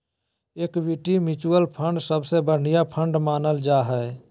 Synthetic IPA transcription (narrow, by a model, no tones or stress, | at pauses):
eːkʋiʈimit͡ʃuəlpʰə̃ɳɖsəbsebəɾnijapʰə̃ɳɖmaːnəld͡ʒaːɦɛ